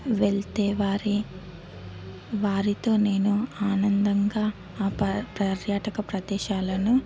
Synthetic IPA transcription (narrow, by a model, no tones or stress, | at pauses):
ʋeɭt̪eːʋaːɾi | ʋaːɾit̪o̞ːne̞ːnuaːnɐnd̪ɐŋɡaː | pɾɐɾjaːʈɐkɐpɾɐd̪ɛːʃaːlɐnu